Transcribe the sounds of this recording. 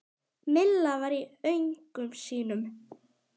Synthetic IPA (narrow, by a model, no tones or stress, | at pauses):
mɪlːavaːɾiœɥjŋkʏmsiːnʏm